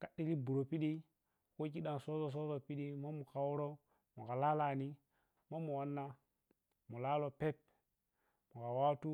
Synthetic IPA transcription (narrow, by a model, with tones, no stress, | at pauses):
ka˨ɗi˦li˦bu˨ɾo˨pi˦ɗi˦ | ko˦k̬i˦ɗa˨n˨so˦zo˨s̬o˦zo˨pi˦ɗi˦ma˦mu˨ka˨wu˦ɾo˦ | mu˨ka˨la˦la˨ni˦ | mo˦mu˨wa˦nːa˦ | mu˨la˦lo˨pe˦p | mu˨ka˨wa˦tu˦